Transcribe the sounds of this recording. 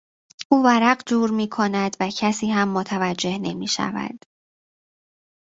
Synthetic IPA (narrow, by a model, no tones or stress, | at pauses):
ʔuːvæɾæɢd͡ʒuːɾmiːkʰonæd̪væcʰæsiːhæmːot̪ʰævæd͡ʒːe̞hne̞miːʃæ̰væ̰d̪̥